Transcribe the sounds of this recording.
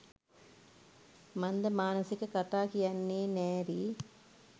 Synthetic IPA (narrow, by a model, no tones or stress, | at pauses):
mɐnd̪ɐmaːnɐsikɐkɐt̪aːkijɐnːeːnɛːɾiː